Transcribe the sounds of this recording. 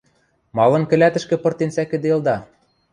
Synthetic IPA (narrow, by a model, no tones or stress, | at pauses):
mɑlɤ̆nkɘ̆læt̪ɘ̆ʃkɘ̆pɤ̆rt̪ensækɘ̆d̪eld̪ɑ